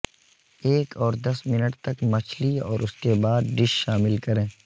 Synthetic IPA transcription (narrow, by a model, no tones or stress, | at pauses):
eːkɔːɾd̪ɐsmɪnəʈt̪ɐkmɐt͡ʃʰliɔ̰ːɾʊskebaːd̪̚ɖɪʃːaːmɪlkɐɾẽː